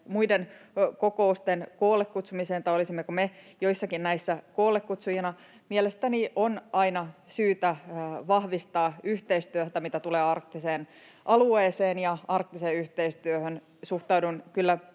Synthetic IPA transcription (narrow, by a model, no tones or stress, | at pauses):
muidenkokoust̪enkoːlekkut̪sumiseːnt̪ɑolisimːekume | joisːɑkinnæisːækoːlːˑekkut̪sujɑnɑ | mielest̪æniʔonɑinɑsyːt̪æʋɑhʋist̪ɑːyht̪eist̪yøht̪æmit̪æt̪uleːɑrk̚t̪ːiseːn | ʔɑlueːseːnjɑɑrk̚t̪iseyht̪eist̪yøhøn | suht̪ɑudunkylːæ